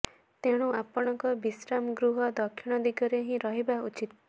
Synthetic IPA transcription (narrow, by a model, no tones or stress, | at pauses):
t̪eɽ̃ũapɔɽ̃ɔŋkɔbisɾamɡɾuɦɔd̪ɔkʰːiɽ̃ɔd̪iɡɔɾeɦĩɾɔɦibaut͡ʃit̪